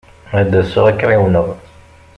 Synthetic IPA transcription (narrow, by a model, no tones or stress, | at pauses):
æd̪æsʊʁækːɾɪwnəʁˤ